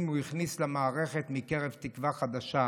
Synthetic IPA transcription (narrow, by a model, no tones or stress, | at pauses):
muiχnislemaːʁeχet̪mike̞ʁevt̪ikvaχad̪aʃa